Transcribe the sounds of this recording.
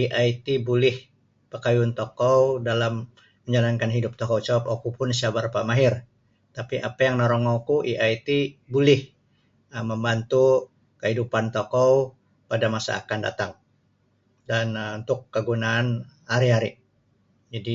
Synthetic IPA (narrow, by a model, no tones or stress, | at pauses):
iʔajt̪ibulɪh | pəkajuant̪okɔwdalamː | əɲd͡ʒalankanɦidʊp̚t̪ɔkowt͡ʃawpokupʊnsiabarpamaɦɪr | t̪apiʔapajaŋnoɾɔŋokuʔiʔajt̪ibulɪh | əməmbant̪u | kəɦidupant̪okɔw | padamasa̰a̰kanda̰t̪aŋ | danunt̪ʊkːəɡunaːnhaɾiɦaɾi | d͡ʒadi